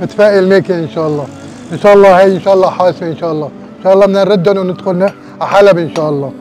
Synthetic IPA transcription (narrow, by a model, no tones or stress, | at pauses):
mɪt̪ḁfaːʔɪlmeːkiʔɪnʃaːʔɑlˤːɑː | ʔɪnʃaːʔlˤːɑːhajʔɪnʃaːʔlˤːɑħaːsmɪnʃaːʔɑlˤːɑːʔɪnʃaːʔɑlːɑːmɪnːanɾˤɑd̪ːnunɪd̪xʊlna | ʔaħalːabʔɪnʃaːʔɑlˤːɑː